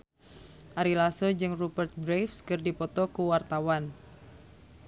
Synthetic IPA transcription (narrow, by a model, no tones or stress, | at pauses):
ʔaɾilasod͡ʒɨŋrubərt̪̚bɾefskɨrdipɔt̪ɔkuwart̪awan